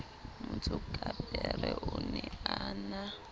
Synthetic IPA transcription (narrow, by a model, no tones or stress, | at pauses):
mʊt͡sʰʊkʼabɛrɛʔʊnɛaːna